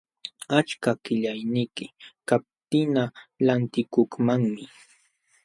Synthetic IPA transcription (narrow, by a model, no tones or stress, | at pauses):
at͡ʃkakɪʎajnɪkɪkap̚t̪ɪnalant̪ɪkoχmaŋmɪ